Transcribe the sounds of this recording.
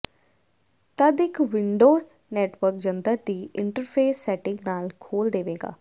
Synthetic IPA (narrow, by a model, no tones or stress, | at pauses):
t̪əd̪ɪkʋɪɳɖoːɾ | nɛːʈʋəɾkd͡ʒənd̪əɾd̪iːɪɳʈəɾpʰeːsːɛːʈɪ̃ŋɡnaːlkʰoːld̪eːʋeːɡa̰ː